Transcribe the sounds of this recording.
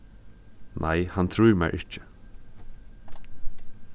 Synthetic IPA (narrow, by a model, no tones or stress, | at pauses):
nʔæɪhɑnt̪ʰɾʉːɾmæ̰ɪʔɪc͡çə̥